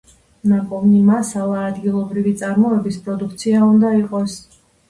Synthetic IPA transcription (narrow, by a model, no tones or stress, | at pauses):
nakʼɔvnimasalˠaːd̪ɡilˠɔbɾivit̪sʼaɾmɔɛbispʼɾɔd̪uk̚ʰt̪sʰiaund̪aiqʼɔs